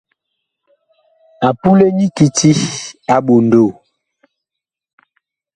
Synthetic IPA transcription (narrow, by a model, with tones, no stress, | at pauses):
a˨pu˦le˦ɲi˦ki˨ti˦a˨ɓo˨n˨do˦˨